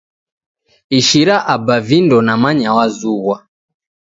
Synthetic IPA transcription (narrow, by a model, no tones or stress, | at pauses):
iʃiɾaʔabavindɔnamaɲawazuɣwa